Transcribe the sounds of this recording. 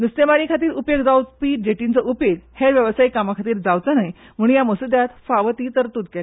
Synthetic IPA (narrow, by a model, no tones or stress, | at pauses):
d̪ust̪emaɾĩkʰat̪̬iːɾupjəɡd͡zawpiːʈ̚d͡ʑeʈint͡səʔupjeɡheɾʋjəʋsaikamakʰat̪iːɾd͡zawt͡sənaj | m̤uɽ̃jaməsud̪jat̪faʋət̪iːt̪əɾt̪ud̪̚ka